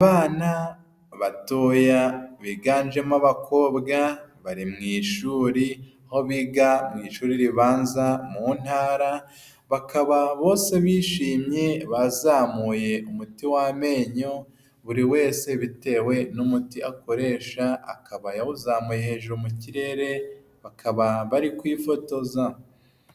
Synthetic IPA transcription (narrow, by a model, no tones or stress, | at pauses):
aβaːna | βato̞ːjaβiɡaːnd͡ʒe̞maβakʰo̞ːβɡaβaɾimŋiːʃuːɾiaho̞βiːɡamŋiːʃuːɾiɾiβaːnzamuːn̥haːɾa | βakaβaβo̞ːse̞βiːʃiːmɲe̞βazaːmuːje̞ʔumutiwame̞ːɲo̞ | βuɾiwe̞ːse̞βite̞ːwe̞numutiʔako̞ɾe̞ːʃaa̰kaβajawuzaːmuːje̞he̞ːʒuɾumuciɾe̞ɾe̞ | βakʰaβaβaɾikwiːfo̞to̞za